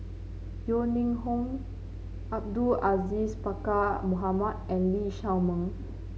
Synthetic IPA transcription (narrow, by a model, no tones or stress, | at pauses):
jonĩŋɦõŋ | ʔab̚duʔazispakamuɦamat̚ɛ̃nliʃawmə̃ŋ